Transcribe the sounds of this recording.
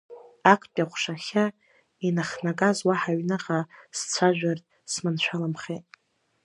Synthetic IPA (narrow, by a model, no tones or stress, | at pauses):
akʼpʼaχʷʂaχʲa | inaχnakʼazwaħaɥnaqʼast͡sʷʰaʒʷᶣartʼ | smɨnt͡ɕʷʰalamχejtʼ